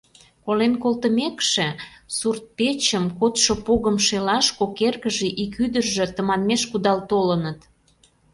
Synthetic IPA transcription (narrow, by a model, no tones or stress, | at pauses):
kolenkolt̪əmekʃĕsurt̪̚pet͡ɕəmkot̪ʃopoɣəmʃelɑʃkokerkəʒĕʔikyd̪ərʒĕt̪ə̆mɑnmeʃkud̪ɑlt̪olənət̪